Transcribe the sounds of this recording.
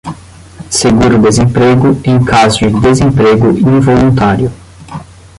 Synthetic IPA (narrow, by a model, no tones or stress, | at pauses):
seɡuɾʊd̪ezẽmpɾeɡʊẽj̃kʰazʊd͡ʒɪd̪ezẽmpɾeɡʊĩvolũt̪aɾjʊ